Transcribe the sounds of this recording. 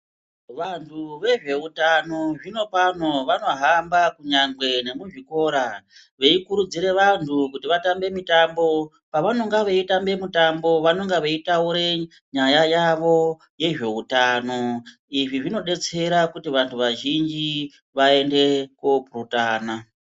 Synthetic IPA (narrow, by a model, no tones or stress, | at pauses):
ʋantʰuʋe̞ʐe̞utano̞ʐino̞pano̞ʋano̞ɦambakuɲaŋɡwe̞ne̞muʐiko̞ɾa | ʋe̞ikuɾud͡ziɾe̞ʋantʰukutiʋatambe̞mitambo̞ | paʋano̞ŋɡaʋeitambe̞mutambo̞ʋano̞ŋɡaʋeitauɾe̞ | ɲajajaʋo̞ | je̞ʐe̞utano̞ | iʐiʐino̞ɗe̞t͡se̞ɾakutiʋantʰuʋaʒind͡ʒi | ʋae̞nde̞kopurutaːna